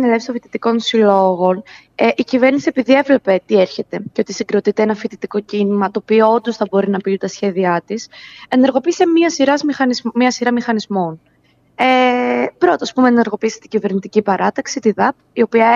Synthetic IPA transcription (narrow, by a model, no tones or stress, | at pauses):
nelefst̪ofit̪it̪iko̞nsilo̞ɣo̞n | eʔicive̞ɾnisie̞piðie̞vle̞pe̞t̪ie̞ɾçe̞t̪e̞ceo̞t̪isiŋɡɾo̞t̪it̪eenɐfit̪it̪iko̞cinimɐt̪o̞ːpioond̪o̞sθɐbo̞ɾinɐpiut̪ɐsçe̞ðiɐt̪ise̞neɾɣo̞piisemiɐsiɾɐzmixɐnizmmiɐsiɾɐmixɐnizmo̞n | epɾo̞t̪oɐspume̞ːneɾɣo̞piːse̥t̪iɟive̞ɾnit̪icipɐɾɐt̪ɐksit̪iðɐp | io̞piɐ